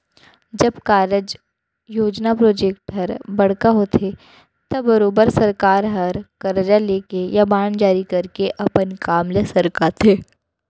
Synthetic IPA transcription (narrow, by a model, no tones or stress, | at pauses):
d͡ʒɐbkaːɾəd͡ʒ | joːd͡ʒnapɾoːd͡ʒeːkʈɦɐɾbɐɽ̤kaɦot̪ʰe | t̪ɐbɐɾoːbəɾsɐɾkaːɾɦɐɾkɐɾd͡ʒaleːkejabaːɳ̃d͡ʒaːɾikɐɾkeʔɐpənkaːmlesɐɾkat̪ʰeː